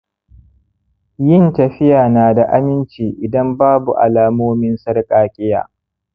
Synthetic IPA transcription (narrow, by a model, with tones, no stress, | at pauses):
jɪ˦˨ntɐ˨ɸɪ˦jaː˨naː˨da˨ʔa˦mɪ˦nt͡ʃiː˨ʔɪ˨dɐ˦mbaː˦bu˨ʔa̰˨laː˨moː˦mɪ˦nsɐ˦rkʼaː˨kʲʼɪ˦ja̰ː˨